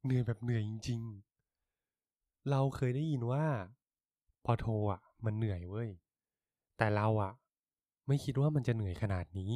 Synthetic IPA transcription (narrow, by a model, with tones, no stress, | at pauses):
nɯ˨˩˦jbɛː˨˩p̚nɯ˨˩˦əji˧ŋt͡ɕi˧ŋ | ɾa˧wkʰɤː˧jdaː˥˩ji˧nwaː˥˩ | pʰɔː˧t̪ʰoː˧ʔa˨˩ma˧nːɯ˨˩˦əjwɤː˧˥˩j | t̪ɛː˨˩ɾa˧wʔa˨˩ | ma˥˩jkʰi˦˥t̪̚waː˥˩ma˧nt͡ɕa˨˩nɯ˨˩˦ə˦jkʰa˧naː˨˩t̪̚niː˦˥